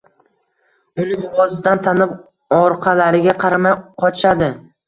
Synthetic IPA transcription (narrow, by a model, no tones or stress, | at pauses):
ʊnɪŋwɒzɪd̪ant̪ʰanɪp | ɒɾqʰɑlaɾɪɡʲaqʰɑɾamajqʰɒʃad̪ɪ